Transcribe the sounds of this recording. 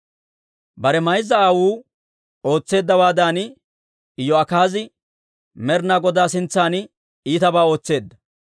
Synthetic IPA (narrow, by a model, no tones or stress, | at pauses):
bɐɾɛmɐjzːɐaːwuː | o̞ːt͡sːe̞ːd̪ːɐwaːd̪aːnɪ | ɪjːɔɐkaːzɪ | mɛɾnaːɡɔd̪aːsɪnt͡sːaːn | iːt̪ɐbaːo̞ːt͡sːe̞ːd̪ːɐ̥